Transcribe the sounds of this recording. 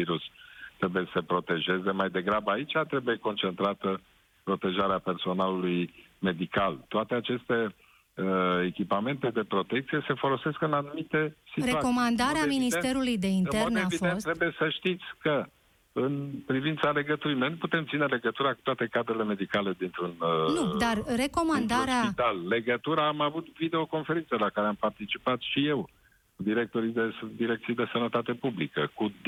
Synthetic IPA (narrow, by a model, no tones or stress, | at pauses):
viɾust̪ɾe̞bujesəpɾo̞t̪e̞ʒe̞ze̞majd̪e̞ɡɾabəait͡ʃat̪ɾe̞buje̞ko̞nt͡ʃe̞nt̪ɾat̪ə | pɾo̞t̪e̞ʒaɾeape̞rso̞naluluj | me̞d̪ikalt̪oat̪e̞at͡ʃe̞st̪e̞ | ekʲipame̞nt̪e̞d̪e̞pɾo̞t̪e̞k̚t̪sije̞se̞fo̞lo̞se̞skɨnanumit̪e̞sit̪ɾeuako̞mand̪aɾeaminist̪e̞ɾulujd̪e̞inerneavidfenst̪ɾebujesəʃt̪it̪sʲkə | ɨnpɾivint̪sale̞ɡət̪uɾinejput̪e̞mt̪sine̞le̞ɡət̪uɾaku̥t̪oat̪e̞kad̪ɾele̞me̞d̪ikale̞d̪int̪ɾunnud̪arre̞ko̞mand̪aɾeait̪alle̞ɡət̪uɾaːmavut̪vid̪e̞o̞ko̞nfe̞ɾinsəlakaɾeampart̪it͡ʃipat̪ʃije̞w | kud̪iɾe̞k̚t̪o̞ɾid̪esd̪iɾe̞k̚t̪sijd̪e̞sənət̪at̪e̞publikə̰ku